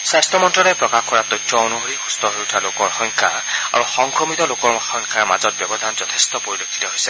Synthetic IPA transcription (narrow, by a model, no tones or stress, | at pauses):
sastɔmɔntɹɔlɛpɹɔkaxkɔɹatɔjtʰɹɔonuɦoɹixustɔɦojutʰalokɔɹxɔŋkʰa̰ | a̰ɹuxɔŋkʰɹɔmitɔlokɔɹxɔŋkʰaɹma̰zɔt̚bjɔbɔdʱanzɔtʰestɔpoɹilokʰːi̥tɔɦojsɛ